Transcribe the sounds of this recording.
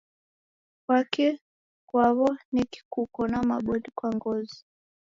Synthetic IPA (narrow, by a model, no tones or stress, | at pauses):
kwakɛ | kwaβɔniki̥kukɔnama̰ɓɔndikwaŋɡɔzi